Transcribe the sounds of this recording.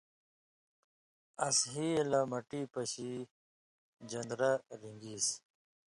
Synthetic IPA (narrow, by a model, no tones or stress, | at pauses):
ɐsɦilɐmɐʈiːpɐɕi | d͡ʑɐnd̪ɾaɾiŋɡiːs